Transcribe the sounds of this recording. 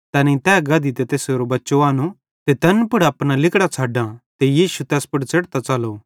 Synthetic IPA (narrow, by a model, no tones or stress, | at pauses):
t̪ɐːnẽt̪ɛːɡɐd̪it̪et̪eːseːɾobɐtːʃoaːno | t̪et̪ɐnpʊɽɐːpnalɪkɽat͡sʰaːɖãt̪ejiːʃut̪ɛːspʊʈt͡sɐɽt̪at͡ʃɐloː